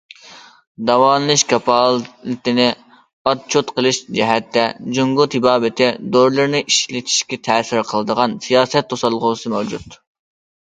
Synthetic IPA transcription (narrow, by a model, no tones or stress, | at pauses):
d̪ɑwɑːnɨlˠɨʃkʰɑpʰɑlˠlɨt̪ɪnɪ | ɑt̪̚t͡ʃʰot̪qəlˠɨʃd͡ʒɛɦɛt̪ʰːɛd͡ʒuŋɡʊt̪ʰibɑːbɪt̪ʰɪd̪oɾlˠɨɾnɨʔiʃlɪt̪ʰi̥ʃkʲɛt̪ʰɛːsɪɾqʰəlˠɨd̪əʁɑnsijɑːsɛt̪ʰːosɑlˠʁʊsɨmɛwd͡ʒut̪